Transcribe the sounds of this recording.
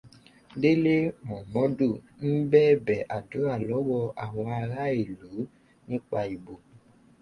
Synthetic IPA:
de˦le˦mɔ̃˨mɔ̃˨˦du˦˨ | n̩˦bɛː˦˨bɛ˨ʔa˨do˨˦a˦˨lɔ˨˦wɔ˧a˨w̃ɔ̃˧a˧ɾa˦e˦˨lu˨˦ | nĩ˦k͡pa˧i˨bo˨

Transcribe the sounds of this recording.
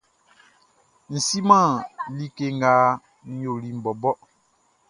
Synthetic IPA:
n̩˨si˦mã˦˨li˦ke˦ŋ˦ɡaː˦ | n̩˦jo˨li˦m̩˨bɔ˨bɔ˦

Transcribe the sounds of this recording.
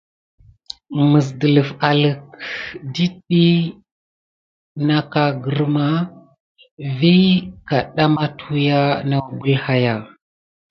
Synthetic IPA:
mə˨s̬də˨lə˨fa˨lə˨k̚di˦ɗi˦ | na˦ka˨ɡə˨ɾma˦ | vi˦ka˨ɗa˦ma˦tʰu˦ja˦na˦˨bu˦lha˦ja˨

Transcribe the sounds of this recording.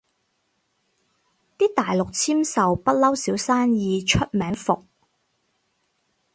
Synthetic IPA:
t̪iː˥t̪aː˨jlʊ˨k̚t͡sʰiː˥msɐ˨wpɐ˥t̚lɐ˥wsiː˨˥wsaː˥njiː˧t͡ʃʰɵ˥t̚mɛː˨˥ŋfʊ˨k̚

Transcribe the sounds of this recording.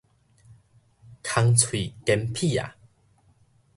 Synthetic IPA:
kʰa˧ŋt͡sʰwi˨˩ke˧mpʰi˥˨a̰˨˩

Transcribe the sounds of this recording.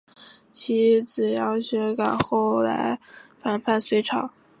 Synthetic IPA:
t͡ɕʰi˧˥t͡sɹ̩˨˩jɑ˥˩ʊɕɥɛ˧˥ka˨˩nxo˥˩ʊla̰˧˥ɪfa˨˩npʰa˥˩nswe˧˥ɪʈ͡ʂʰɑ˨˩˦

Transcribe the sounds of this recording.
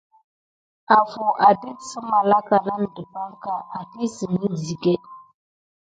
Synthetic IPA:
a˨fo˨ʔa˨di˦tsə˦ma˨la˦ka˨na˦n˨də˨pa˦ŋka˦ʔa˨ti˦sə˨ni˦zi˨ɡe˦

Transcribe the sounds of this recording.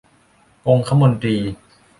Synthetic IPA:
ko˧ŋkʰa˧˥mo˧nt̪ɾiː˧

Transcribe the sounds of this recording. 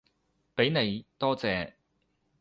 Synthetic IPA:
pe˨˥jne˨˧jt̪ɔː˥t͡sɛː˨˧

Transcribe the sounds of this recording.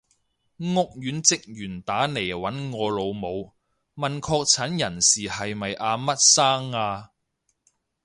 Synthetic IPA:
ŋʊ˥k̚jyː˨˥nt͡sɪ˨k̚jyː˨˩nt̪aː˨˥ne˨˩jwɐ˨˥nŋɔː˨˧lo˨˧wmo˨˧w | mɐ˨nkʰɔː˧k̚t͡sʰɐ˨˥njɐ˨˩nsiː˨˩hɐ˨jmɐ˨jʔaː˧mɐ˥t̚saː˥ŋːaː˧

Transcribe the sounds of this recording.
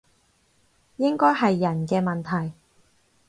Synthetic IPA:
jɪ˥ŋkɔː˥jɦɐ˨jːɐ˨˩nkɛː˧mɐ˨nt̪ʰɐ˨˩j

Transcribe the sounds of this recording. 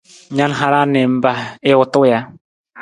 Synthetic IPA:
ɲa˦nɦa˦ɾa˦nɛ˨m̩˦ba˨ɪ˦ʊ˨tʊ˦ja˨˦

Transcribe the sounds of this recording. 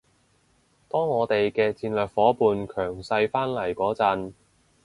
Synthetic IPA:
t̪ɔː˥ŋːɔː˨˧t̪e˨jkɛː˧t͡siː˧nlœː˨˩k̚fɔː˨˥puː˨nkʰœː˨˩ŋsɐ˧jfaː˥nlɐ˨˩jkɔː˨˥t͡sɐ˧n

